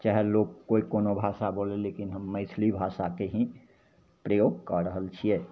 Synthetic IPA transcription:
t͡ʃaɦɛloɡːoːikoːnobʱaːsaboːlẽleːkinɦəmːəɪsʰlibʱaːʃakeɦĩ | pɾəjoːɡ̚kəɾəɦəlt͡ʃʰiɛ

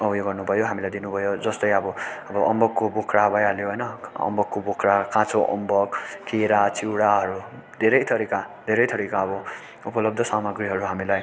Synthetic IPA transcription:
ʌbjoɡʌrnubʱʌjoɦamilajd̪inubʱʌjod͡zʌst̪ʌjʌbʌʌbʌʔʌmbʌkːobokʰrabʱʌjaljoɦʌjnʌʌ̰mbʌkːobokʰɾakãt͡soʔʌ̰mbʌkkeɾat͡siwɽaɦʌɾu | d̪ʱeɾʌjt̪ʰʌɾikad̪ʱeɾʌjt̪ʰʌɾikaʌbʌ | upʌlʌb̚d̪ʱʌsamʌɡɾiɦʌɾuɦamilaj

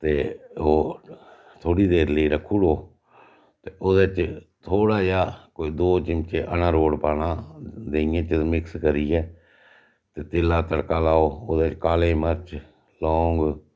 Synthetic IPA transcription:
t̪eːoː | t̪ʰoːɽiːd̪eːɾləiːɾəkʰːuːɽoː | t̪eːʔoːd̪et͡ʃt̪ʰoːɽaːjaːkoːiːd̪oːt͡ʃɪmt͡ʃeːʔənãːɾoːɽpaːnãːd̪eːɪjãːt͡ʃəmɪkskəɾiːɛː | t̪eːt̪eːlaːt̪əɽkaːlaːoːoːd̪eːt͡ʃkaːlẽːməɾt͡ʃ | lɔːŋɡ

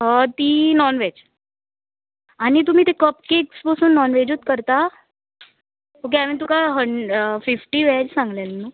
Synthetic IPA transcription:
ɦɔt̪iːnɔnʋed͡ʑ | aɽ̃it̪̬um̤iːt̪ekəpkeksbəsuːnːɔnʋed͡ʑuːt̪kəɾt̪a | ok̬aʋẽt̪ukaɦəɳɖfifʈiːʋɛd͡ʑsãŋɡljalnːu

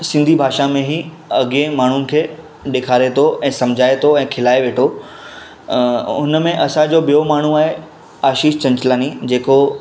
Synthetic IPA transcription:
sɪ̃nd̪ʱibʱaːʃamẽɦi | ɐɡẽmaːɳ̤unɪ̆kʰeː | ɗeːkʰaːɾet̪ʰoʔɛ̃ːsɐ̃md͡ʑʱaːet̪ʰoɛ̃ːkʰɪlaːeʋeːʈʰo | ʊnəmẽʔɐsãd͡ʑoɓijomaːɳ̤uaːɦe | aːʃiːʃt͡ɕɐ̃ɲt͡ɕɪlaːnid͡ʑeːko

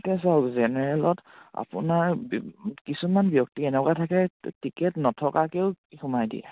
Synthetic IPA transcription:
tɛs̬azɛnɛɹɛlɔta̰pʊ̰naɹ | kisumanbjɔk̚tiɛnɛkwatʰakɛtikɛtnɔtʰɔkakeʊkixumajdḭɛ̰

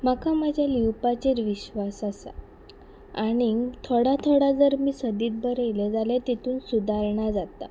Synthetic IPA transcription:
makamad͡ʑʱjaliwpat͡ɕeɾʋiɕʋasasa̰ | aɽ̃it̪ʰoɽat̪ʰoɽad͡zəɾmiːsəd̪iːt̪̚bəɾeled͡zaljat̪it̪uːnsud̪ʱaɾɳad͡zat̪a̰

